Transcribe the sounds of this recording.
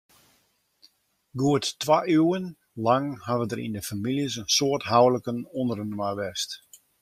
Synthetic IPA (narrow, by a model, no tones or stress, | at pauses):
ɡuəttʋayən | laŋhaʋədərḭndəfamiljəsənsoərtɦawləkənɔndərənmajʋɛst